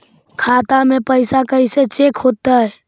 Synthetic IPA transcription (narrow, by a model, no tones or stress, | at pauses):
kʰaːt̪amẽpəɪsakəiset͡ʃeːkʰɦoːt̪aɦɛː